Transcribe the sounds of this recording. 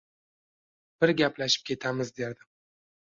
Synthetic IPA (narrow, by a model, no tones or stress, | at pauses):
b̥ɪɾɡʲaplaʃɪ̥p̚kʲʰe̞t̪ʰamɪzd̪eɾd̪ɪ